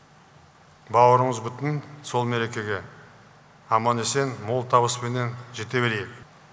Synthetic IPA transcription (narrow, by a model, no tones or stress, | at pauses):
bɑwəɾəɴəzbʏt̪ɪnso̞lˠmeɾe̞kʲe̞ɡʲe̞ | ɑmɑne̞se̞nmo̞lˠt̪ʰɑβəspene̞nʒe̞t̪e̞beɾejɪk